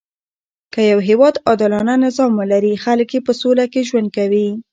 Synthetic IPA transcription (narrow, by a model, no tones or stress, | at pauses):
kəjawɦewɑd̪ɑd̪ɪlɑnanɪzɑmwəlaɾixaləkjepəsolakeʒwand̪̚kawi